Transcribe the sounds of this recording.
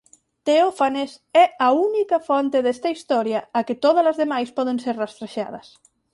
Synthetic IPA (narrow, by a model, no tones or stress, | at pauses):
t̪eofanesɛaunikafɔnt̪eðɛst̪aist̪ɔɾjaːket̪oðəlɐzðemajspɔð̞enseɾrast̪ɾeʃa̰ð̞ɐs